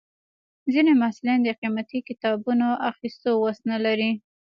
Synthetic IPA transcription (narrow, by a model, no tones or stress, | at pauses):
zinemaslend̪əqimat̪ikɪt̪ɑbunoʔaxist̪owasnalaɾi